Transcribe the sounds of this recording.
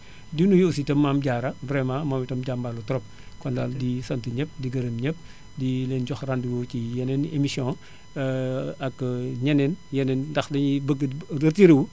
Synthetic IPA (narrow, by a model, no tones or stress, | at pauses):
dinujositɐmːaːmɟaːɾɐbɾɛmãmaːmitɐmɟambalutɔɾɔp̚ | kɔndaldisɐntiɲəp̚diɡɐɾəmɲəp̚ | dileːnɟɔxranduɡocijɛnɛnemisɔ̃ | ɐkɲɛnɛnjɛnɛndɐxlɐɲibəɡəɐtiɾiwu